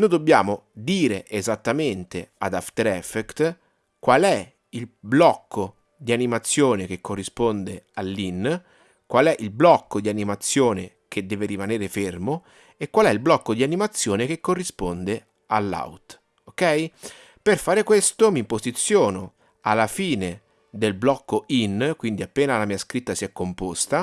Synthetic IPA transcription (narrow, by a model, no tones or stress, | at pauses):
nojd̪obːja̰ːmod̪iːɾeʔezat̪ːament̪ead̪aft̪eɾɛfekt̪ | kwalɛ | ilblɔkʰːo | d̪ianimat̪sːjoːnek̟ekːorːispond̪ealːinː | kwalɛʔilblɔkːod̪ianimat̪sːjoːne | k̟ed̪ːɛːveɾimaneːɾefermo | ekːwalɛilblɔkːod̪ianimat̪sːjoːnekekːorːispond̪e | alːa̰wt̪ | okɛj | perfaːɾekwest̪omimpozit̪sːjɔːno | alːafiːne | d̪elblɔkːoinkwind̪iapːeːnalamiːaskɾit̪ːasiɛkːompost̪a